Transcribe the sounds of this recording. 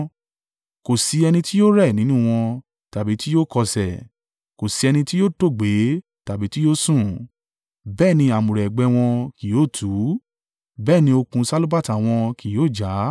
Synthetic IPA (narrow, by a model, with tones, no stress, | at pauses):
ko˨si˧ɛ˧nĩ˧ti˦jo˦ɾɛ˦˨nĩ˨˦nũ˦˨w̃ɔ̃˧ | ta˨bi˨˦ti˦jo˦˨kɔ˧sɛ˨ | ko˨si˧ɛ˧nĩ˧ti˦jo˦˨to˦˨ɡ͡be˨˦ | ta˨bi˨˦ti˦jo˦sũ˦˨ | bɛː˦˨nĩ˧a˨mũ˨ɾɛ˨ɡ͡bɛ˨˧w̃ɔ̃˧ki˨joː˦˨tʰu˨˦ | bɛː˦˨nĩ˧o˧kũ˧sa˦lo˦ba˦ta˨w̃ɔ̃˧kʰi˨joː˦˨d͡ʒa˨˦